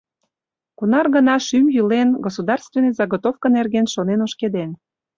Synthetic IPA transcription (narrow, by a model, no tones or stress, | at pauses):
kunɑrɣənɑʃymjylenɡosud̪ɑrst̪venezɑɣot̪ofkənerɡenʃonenoʃked̪en